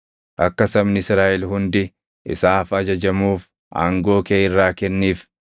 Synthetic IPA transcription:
ʔɐkːɐsɐmnɪsɾaːʔɛlɦʊnd̪ɪ | ʔɪ̰saːfɐd͡ʒɐd͡ʒɐmuːf | ʔa̰ːŋɡo̞ːkeːɪrːaːkɛnːiːf

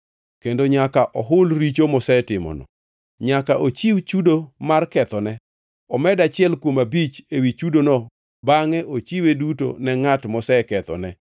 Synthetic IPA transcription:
kendoɲakaʔɔɦʊlɾit͡ʃomɔsɛtɪmɔ̰nɔ̰ | ɲakaʔot͡ʃiwt͡ʃudomarkɛt̪ɔnɛ | ɔmɛdat͡ʃɪɛlkwomabit͡ʃewit͡ʃudonɔ | baŋɛʔot͡ʃiweduto̰nɛŋatmɔsɛkɛt̪ɔ̰nɛ

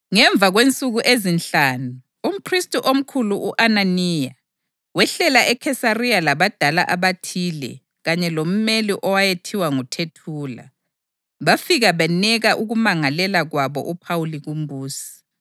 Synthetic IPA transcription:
ŋɛɱb̪vʱaɣwent͡sʼuɣuʔezinɬaːnuː | m̩pʰristʼuʔom̩kʰuluʔuʔananiːja | wɛɬɛlaʔɛkʰɛsarialaβad̥ʱala̰ʔaβatʰiːlɛ̰ | ɣaɲɛlom̩meliʔɔwajetʰiwaŋutʰetʰuːla̰ | βafiɣaβɛnɛɣaʔuɣumaŋalɛlaɣwaβɔ̰ʔupʰawuliɣum̩buːsi̥

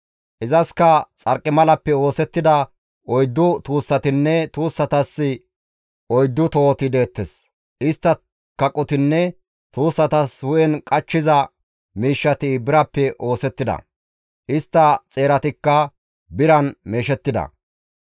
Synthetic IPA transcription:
ʔɪzɐskɐt͡sʼɐɾkʼːɪmɐlɐpːɛo̞ːsɛt̪ːɪd̪ɐ | ʔɔjd̪ːʊt̪uːsːɐt̪ɪnːɛt̪uːsːɐt̪ɐsːɪ | ɔjd̪ːʊt̪oːt̪ɪd̪e̞ːt̪ːɛs | ʔɪst̪ːɐ | kɐkʼːɔt̪ɪnːɛ | t̪uːsːɐt̪ɐshʊʔɛnkʼɐt͡ʃːɪzɐ | miːʃːɐt̪ɪbɪɾɐpːɛʔo̞ːsɛt̪ːɪd̪ɐ̰ | ʔɪst̪ːɐt͡sʼe̞ːɾɐt̪ɪkːɐ | bɪɾɐnme̞ːʃɛt̪ːɪd̪ɐ̰

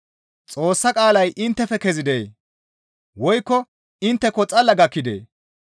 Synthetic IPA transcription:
t͡sʼo̞ːsːɐkʼaːlɐjʔɪnt̪ːɛfɛkɛzɪd̪eː | wɔjkːɔ | ɪnt̪ːɛkɔt͡sʼɐlːɐɡɐkːɪd̪ḛː

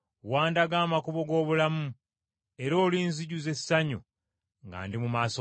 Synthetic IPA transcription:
waːndaɡaːmakuβo̞ɡo̞ːβulamu | e̞ɾo̞ːliːnziɟuze̞sːaɲo̰ | ŋɡa̰ːndimumaːso

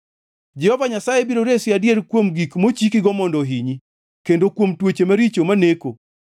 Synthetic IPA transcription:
d͡ʒɛhɔvaɲasajebiɾoɾesɪadjeɾkwomɡikmot͡ʃikɪɡɔmɔndɔɦiɲi | kendokwomtwot͡ʃemaɾit͡ʃomaneko

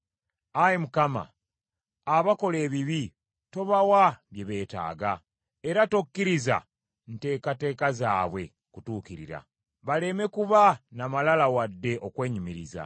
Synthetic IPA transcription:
ajemukama̰ː | βako̞le̞ːβiβi | to̞βawaβje̞βe̞ːta̰ːɡa | e̞ɾatokːiɾiza̰ | nte̞ːkate̞ːkazaːβwe̞̰ | kutuːkiɾḭɾa̰ | βale̞me̞kuβanamalalawadːe̞ʔo̞kwe̞ːɲimiɾiza̰

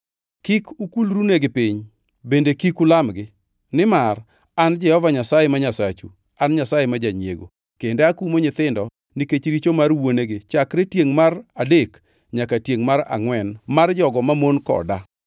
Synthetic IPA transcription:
kikʰʊkulɾuneɡɪpiɲ | bendekikʊlamɡɪ | nɪmar | and͡ʒɛhɔvaɲasajemaɲasat͡ʃṵ | anɲasajemad͡ʒaɲḛɡo̰ | kendeakumoɲɪt̪ɪndɔ | niket͡ʃɾit͡ʃomarwoneɡet͡ʃakɾetjeŋmaradek | ɲakatjeŋmaɾa̰ŋwɛnmard͡ʒɔɡɔmamonkɔ̰da

